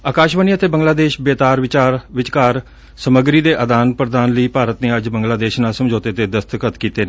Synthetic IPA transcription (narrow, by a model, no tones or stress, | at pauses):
aːkaːʃʋəniːət̪eːbəŋɡlaːd̪eːʃbeːt̪aːɾʋɪt͡ʃaːɾʋɪt͡ʃkaːɾ | səməɡɾiːd̪eːʔəd̪aːnpɾəd̪aːnləiːpaːɾət̪neːəd͡ʒbəŋɡlaːd̪eːʃnaːlsəmd͡ʒoːt̪eːt̪eːd̪əst̪əkət̪kiːt̪eːneː